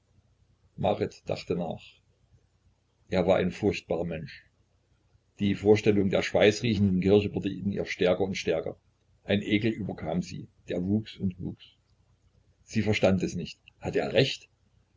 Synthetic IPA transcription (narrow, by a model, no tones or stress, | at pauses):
ma̰ʁɪtd̥a̰χtəna̰ːχ | ʔeːɐvaːɐʔa̰ɪnfʊɐçt̚b̥aːʁɐmɛnʃ | d̥iːfoːɐʃtɛlʊŋdeːɐʃv̥aɪt͡sʁiːçn̩dn̩kɪɐçəvʊɐdəʔiinnḭːɐʃtɛɐkɐʊntʃtɛɐkɐ̰ | ʔaɪnʔeːɡl̩ʔyːbɐkʰaːmzḭːd̥eːɐvuːksʊntvṵːks | z̥iːfɛɐʃtantɛsnɪçthatəeːɐʁɛçt